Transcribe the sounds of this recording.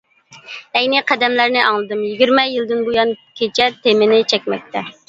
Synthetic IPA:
ɛjnɪqʰɛd̪ɛmlæɾnɪʔɑŋlˠɨd̪ɨmjiɡʲiɾmɛjilˠd̪ɨnbojɑnkʲʰet͡ʃʰɛt̪emɪnɪt͡ʃʰɛkʲmɛk̚ʲt̪ʰɛ

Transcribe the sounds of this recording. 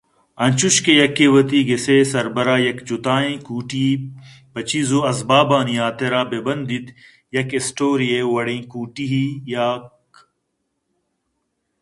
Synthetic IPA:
ɐnʲt͡ʃuʃkejɐkːeːwɐt̪iɡeseːsɐɾbɐɾaːjɐkt͡ʃut̪aːẽːkuːʈi | bɐt͡ɕiːzoɐzbaːbaːnijaːt̪eɾaːbebɐnd̪it̪ | jɐkesʈoːɾijewɐɽẽːkuːʈiɦijaːk

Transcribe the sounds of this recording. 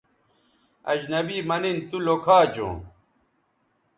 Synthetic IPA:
ɐ̰d͡ʑnɐbiːmɐnint̪ulokʰaːd͡ʑõ̰ː

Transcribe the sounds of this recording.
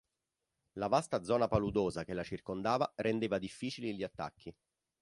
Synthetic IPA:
lavast̪ad̪zɔːnapalud̪oːzakelat͡ʃirkond̪aːvaɾend̪eːvad̪ifːiːt͡ʃiliʎiat̪ːa̰kːi

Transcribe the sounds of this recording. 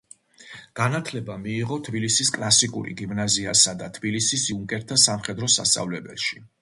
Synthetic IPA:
ɡ̥anat̪ʰlɛbamiːʁɔt̪ʰbilisiskʼlˠasikʼṵɾḭɡimnaziasad̪at̪ʰbilisisiuŋkʼɛɾt̪ʰasamχɛd̪ɾɔsa̰st̪sʼa̰vlɛbɛlˠʃi

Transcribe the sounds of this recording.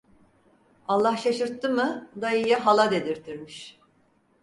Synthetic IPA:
alˠːahʃaʃɯɾt̪ːɯmɯd̪aijaɦalˠad̪e̞d̪iɾt̪ʰiɾmiʃ

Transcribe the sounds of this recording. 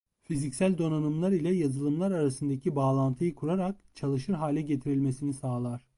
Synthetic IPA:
fizicsælʲd̪o̞nanɯmlˠaɾilʲɛjazɯlˠɯmlˠaɾaɾasɯnd̪acʰibaːlˠant̪ʰɯjɯkʰuɾaɾak̚t͡ʃʰalˠɯʃɯɾɦaːlʲɛɟe̞t̪ʰiɾilʲmesinisaːlˠaɾ̥

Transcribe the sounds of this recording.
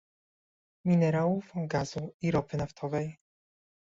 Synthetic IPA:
mʲinɛɾawufɡazuiɾɔpɘnaft̪ʰɔvɛj

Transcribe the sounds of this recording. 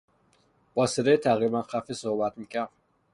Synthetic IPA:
bɒːsiɾejt̪ʰæɣɾibænqʰæfisohbæt̪mikæm

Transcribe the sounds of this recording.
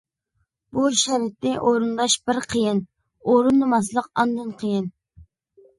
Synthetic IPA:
buʃɛɾɪt̪nɪʔoɾund̪ɑʃbɪɾqʰəjɪn | oɾunːɨmɑslˠəq̚ɑnd̪ɨnqʰəjɪn

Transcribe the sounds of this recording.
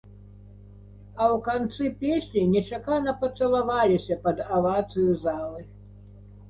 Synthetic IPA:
ɐwkant̪sɨpʲesʲnʲinʲɛt͡ʂakanɐpɐt̪sɐlˠavalʲisʲɐpɐd̪ɐvat̪sɨjuzalˠɨ

